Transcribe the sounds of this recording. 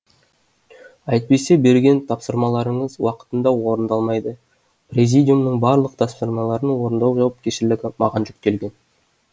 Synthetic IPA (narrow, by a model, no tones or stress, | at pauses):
ɑjt̪̚pe̞se̞be̞ɾɡʲe̞nt̪ʰɑpsəɾmɑlˠɑɾəɴəzwɑqə̥t̪ənd̪ɑwo̞ɾənd̪ɑlˠmɑjd̪ə | prʲezʲijd̪ʲijumnəɴbɑɾlˠəq̚t̪ʰɑssəɾmɑlˠɑɾənwo̞ɾənd̪ɑwʒɑwɑp̚kʲeʃɪɾlɪɡʲɪmɑʁɑnʒʏk̚t̪e̞lɡʲe̞n